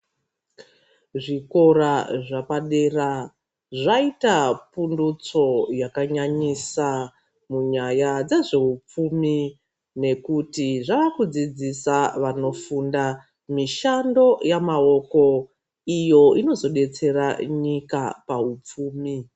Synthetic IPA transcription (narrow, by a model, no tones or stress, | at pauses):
ʐiko̞ɾaʐapaɗera | ʐaitapundut͡so̞jakaɲaɲisa | muɲajad͡zeʐe̞ɦup͡fumi | ne̞kutiʐaʋakud͡zid͡zisaʋano̞funda | miʃando̞jamao̞ko̞ | ijo̞ino̞zo̞ɗe̞t͡se̞raɲikapaɦup͡fuːmi